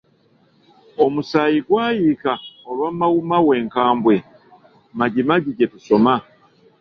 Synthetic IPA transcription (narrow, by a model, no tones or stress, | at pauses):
omusaːjiɡwaːjikaoβamawumawe̞ːŋkaːmbwe̞ | maɟimaɟiɟetuso̞ma